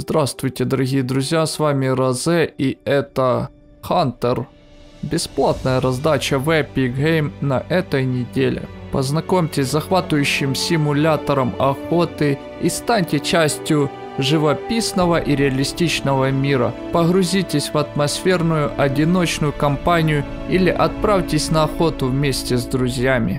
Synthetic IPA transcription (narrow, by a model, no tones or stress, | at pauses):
zd̪ɾast̪vʊjtʲɪd̪ɐɾɐɣʲijəd̪ɾʊzʲjasvamʲɪɾɐzɛiɛt̪ə | xant̪ər | bʲɪsplˠat̪nəjəɾɐzd̪at͡ɕəvɛpʲiɣejmnɐʔɛt̪əjnʲɪdʲelʲɪ̰pɐznɐkomʲtʲɪsʲzɐxvat̪ʊjʉɕːɪmsʲɪmʊlʲat̪ɐɾəmɐxot̪ɨ | ist̪anʲtʲɪt͡ɕæsʲtʲjʊ | ʐɨvɐpʲisnəvɐʔiɾʲɪɐlʲɪsʲtʲit͡ɕnəvɐmʲiɾɐ̰pəɣɾʊzʲitʲɪsʲvɐt̪mɐsfʲe̞rnʊjʊʔɐdʲɪno̞t͡ɕnʊjʊkɐmpanʲɪjʊ | ilʲɪʔɐt̪̚pɾafʲtʲɪsʲnɐɐxo̞t̪ʊvmʲesʲtʲɪzd̪ɾʊzʲjamʲɪ